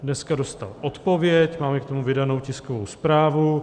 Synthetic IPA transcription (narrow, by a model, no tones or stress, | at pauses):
dnɛskado̞st̪a̰lʔot̪po̞vjɛcmaːmɛkt̪o̞muvɪdano̞wcɪskovowspɾaːvu